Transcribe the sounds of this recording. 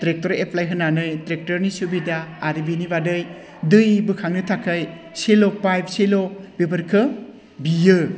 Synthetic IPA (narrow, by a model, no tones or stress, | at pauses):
tɾek̚tɔɾepʰlajɦɯnːanɯjtɾek̚tɔɾnisubidaaɾibinibadɯj | dɯjbɯkʰaŋnɯtʰakʰaj | selopajb̚ʰselobebɐɾkʰɯ | bijɯ